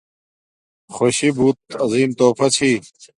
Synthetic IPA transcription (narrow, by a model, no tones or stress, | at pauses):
xoɕibuːt̪̚ɐziːmt̪oːfɐt͡ɕʰiː